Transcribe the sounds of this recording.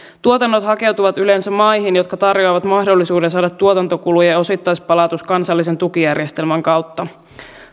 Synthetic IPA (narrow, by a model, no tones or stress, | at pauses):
t̪uot̪ɑnːo̞t̪hɑke̞wt̪uʋɑt̪ylensæmmɑjɦinjo̞t̪kɑt̪ɑrjo̞jʋɑt̪mɑhdolːisuːdensɑːdɑt̪ːuot̪ɑnt̪o̞kulujɑo̞sit̪ːɑjspɑlɑt̪uskɑnsɑlːis̬e̞nt̪ukijærjest̪e̞lmæŋkɑwt̪ːɑ